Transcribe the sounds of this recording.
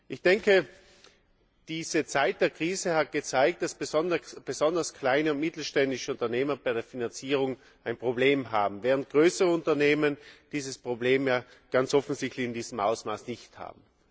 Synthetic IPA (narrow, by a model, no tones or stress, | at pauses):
ʔɪçd̥ɛŋkʰə | d̥iːz̥ət͡saɪt̚d̥eːɐkʁ̥iːzəhat̚ɡ̥ət͡saɪk̚t̚d̥asb̥ɔndb̥əzɔndɐskʰl̥aɪnəʊntmɪtl̩ʃtɛndɪʃəʊntɐneːmɐbaɪɾeːɐfinant͡siːʁ̞ʊŋ | aɪnpʁ̥obleːmɦaːbm̩vɛːʁənt̚ɡ̥ʁøːsəʁəʊntɐneːmənd̥iːzəspʁ̥obleːmjaː | ɡ̥ant͡sʔɔfn̩zɪçtlɪçɪndiːz̥m̩ʔa̰ʊsmaːsnɪçtha̰ːbm̩